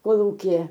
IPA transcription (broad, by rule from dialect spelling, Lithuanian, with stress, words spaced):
koːˈlˠuːkʲɪjɛ